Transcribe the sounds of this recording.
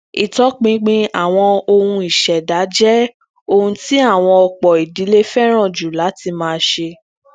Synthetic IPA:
i˨tɔ˨˦k͡pĩ˨˦ɡ͡bĩ˧a˦˨w̃ɔ̃˧o˧hũ˧i˨ʃɛ˨da˨˦d͡ʒɛ˦ | o˧hũ˧ti˦a˦˨w̃ɔ̃˧ɔ˧k͡pɔ˨i˨di˨˦le˦fɛ˦ɾ̃ã˦˨d͡ʒu˨la˨˦ti˧mãː˧ʃe˧

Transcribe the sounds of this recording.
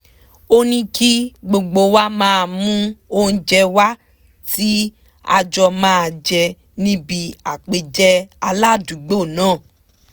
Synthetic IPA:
o˦nĩ˦ki˦ɡ͡bo˧ɡ͡bo˧˦wa˦mãː˦˧mũ˦õ˧d͡ʒɛ˧wa˦ | ti˦ | a̰˧d͡ʒɔ˧mãː˦˧d͡ʒɛ˧ | nĩ˦bi˧a˨k͡pe˧d͡ʒɛ˦a˧la˦˨dũ˨˦ɡ͡bo˦˨nãː˦˨

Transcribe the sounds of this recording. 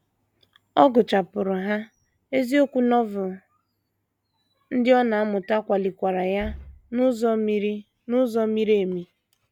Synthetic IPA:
ɔ˦ɡʊ˨t͡ʃa˨pʊ˨ɾʊ˨ɦa˦ | e˦zi˦o˦kʷu˦nɔ˦vʊ˨ | n̩˦dɪ˦ɔ˦na˨a˦mʊ˨ta˦kʷa˨li˨kʷa˨ɾa˨ja˦nʊ˦zɔ˦m˦i˦ | nʊ˦zɔ˦mi˦ɾe˦˨mi˨

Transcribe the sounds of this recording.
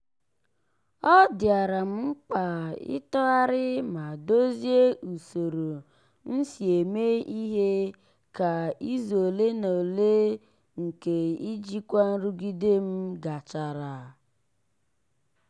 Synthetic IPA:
ɔ˦dɪ˨a˨ɾa˨m̩˦ŋ͡m̩˦k͡pa˨ɪ̰˦tɔ˦a˦ɾɪ˦ma˨do˦zje˦ʔu˨so˨ɾo˨ | n̩˦si˨e˨me˦i˦ɦe˦ | ka˨i˦zo˨le˦no˨le˦ | ŋ̩˨ke˨i˦d͡ʒi˦kʷa˦n̩˦ɾu˦ɡi˦de˦m̩˦ɡa˨t͡ʃa˨ɾa˨

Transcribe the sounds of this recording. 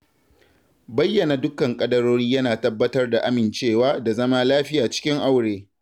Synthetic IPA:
bɐ˦jːɐ˨na˨dʊ˦kɐ˨ŋkʼɐ˦dɐ˦ɾoː˦ɽiː˦jɐ˦naː˨tɐ˦bːɐ˦tɐ˦rda˨ʔa˦mɪ˨nt͡ʃeː˦˨waː˦da˨zɐ˦maː˦laː˦ɸɪ˦jaː˨t͡ʃɪ̥˦kʲɪ˦ŋʔa˦˨wɽeː˨

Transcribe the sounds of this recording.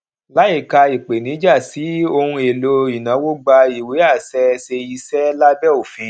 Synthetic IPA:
la˨˦i˦˨ka˧i˨k͡pe˨nĩ˨˦d͡ʒa˦˨ti˨˦o˧hũ˧e˨lo˧i˨nã˨˦wo˦ɡ͡ba˧i˨we˨˦a˦˨sɛ˧se˧i˧sɛ˦la˦bɛ˦o˦˨fĩ˧˦

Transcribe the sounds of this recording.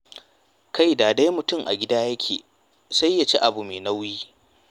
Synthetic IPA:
kʰa˦˨jdaː˨da˦jmʊ˨tʊ˦˨ŋʔa̰˨ɡʲɪ˦daː˦jɐ˦kʲʰḛː˨ | sa˦jːa˨t͡ʃe˦ʔa˨bu˨meː˨na˦wjiː˦

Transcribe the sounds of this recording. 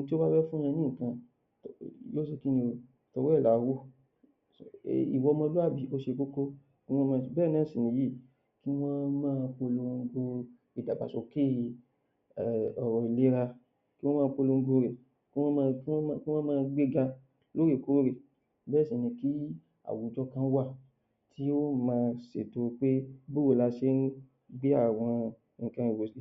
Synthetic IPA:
ŋ̩̃˧ti˦o˦ba˦ɾɛ˦fũ˦ã˧nĩ˦˨kã˨ | tjo˦se˧ki˦nĩ˧o˧ | tɔ˧wɛ˦˨la˨wo˦˨ | ḭ˨wɔ˧mɔ̃˧lu˦a˦˨bi˨˦o˦ʃe˧ko˦ko˦ | ki˦w̃ɔ̃˦mã˦˧bɛ˦˨nã˨˦˨sĩ˨nĩ˨ji˦˨ | ki˦w̃ɔ̃˦mãː˦˧ko˧lo˧ŋ̩˧ɡo˧ | i˨da˨ba̰˨so˨ke˦˨ | ɔ˨ɾɔ˨i˨le˨˦ɾa˧ | ki˦wɔ̃˦mãː˦˧k͡po˧lo˧ŋ̩˦ɡo˧ɾe˨ | kã˧ki˦ki˦w̃ɔ̃˦mãː˦˧ɡ͡be˦ɡa˧ | lo˦e˦˨ko˨˦ɾe˦˨ | bɛː˦˨sĩ˨nĩ˨˧ki˦ | a̰˨wu˨d͡ʒɔ˧˦kã˧˦wa˦˨ | ti˦o˦mãː˧˦˧se˨to˧k͡pe˦bo˦o˦˨la˧ʃe˨˦n̩˦ | ɡ͡bi˦a˦˨w̃ɔ̃˧ | ŋ̩̃˨kã˧i˨wo˨si˨

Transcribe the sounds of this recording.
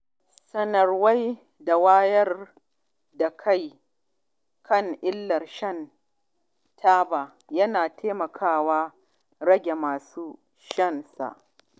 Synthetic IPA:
sɐ˦nɐ˨rwa˦j | da˨waː˦jɐ˦r | da˨kʰa˦˨j | kʰɐ˦˨ŋʔɪ˦lːɐ˨rʃɐ˦˨n | tʰaː˦ba˨ | jɐ˦naː˨tʰeː˦mɐ˨kʰaː˦waː˦ | ɽɐ˦ɡʲe˨maː˨suː˦ | ʃɐ˦˨nsa̰˨ʔ

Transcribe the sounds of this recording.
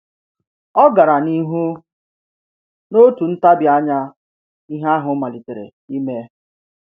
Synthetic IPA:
ɔ˦ɡa˨ɾa˨ni˦ɦu˦ | no˦tu˨n̩˦ta˦bja˦ɲa˦ | i˦ɦa˦ɦʊ˨˦ma˨li˨te˨ɾḛ˨ | i˦me˦

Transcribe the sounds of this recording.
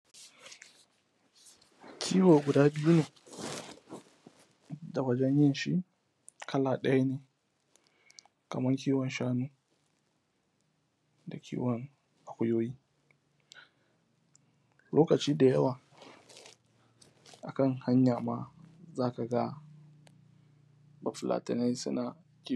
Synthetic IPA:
kʲʰiː˦woː˨ɡʷʊ˨daː˦bɪ˦ju˦neː˨ | da˨wɐ˦d͡ʒɛ˦ɲjɪ˦nʃḭ˦ʔ | kʰɐ˦laː˨ɗɐ˦ja˦neː˨ | kɐ̰˨mɐ˦ŋk̬ʲiː˦wɔ˨nʃaː˦nuː˦ | da˨kʲḭː˦wɐ˨ŋ | ʔa˨kʷʊ˦joː˦jiː˦ | loː˦kɐ˨t͡ʃiː˦da˨jɐ˦waː˨ | ʔa˨kɐ˦˨ŋha˦ɲjaː˨maː˦zaː˦ka˨ɡa˦ | ba˨ɸlʔa̰ː˨tɪ˨na˦jsʊ̰˦na˨ | kʲi˦

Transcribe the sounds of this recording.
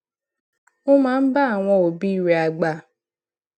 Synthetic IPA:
o˦mãː˦n̩˦ba˦a˨w̃ɔ̃˧o˨bi˦i˦˨ɾe˨a˨ɡ͡ba˨

